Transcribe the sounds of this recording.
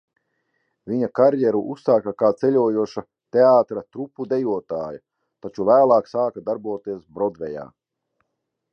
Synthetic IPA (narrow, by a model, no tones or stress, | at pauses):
vʲiɲakaɾjɛɾuʔusːaːkakaːt̪sɛlʲuɔjuɔʃa | t̪eaːt̪ɾat̪ɾupːud̪ɛjuɔt̪aːja | t̪at͡ʃuvæːlˠaːksaːkad̪aɾbuɔt̪iɛsbɾɔd̪vɛja̰ː